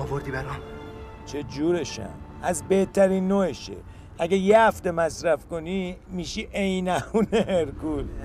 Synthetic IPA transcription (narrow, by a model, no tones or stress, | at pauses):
ɒvoɾd̪iːbeɾɒ | t͡ʃʰed͡ʒuːɾeʃæ̰n | æzbe̞ht̪ʰæɾiːnːoeʃḛ | æɡæjehæft̪e̞mæsɾæfko̞nimiːʃiʔejnæhuneeɾkul